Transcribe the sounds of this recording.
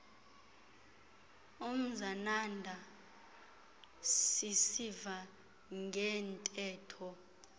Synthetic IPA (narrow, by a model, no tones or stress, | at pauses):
om̩zanandʱa | sisiva | ŋɡʱɛntʼɛːtʰɔ